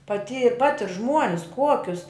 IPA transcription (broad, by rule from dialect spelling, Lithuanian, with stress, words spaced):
pɐˈtʲiː ˈpɑːtʲɪr ˈʒmuɔnʲɪs ˈkuɔkʲʊs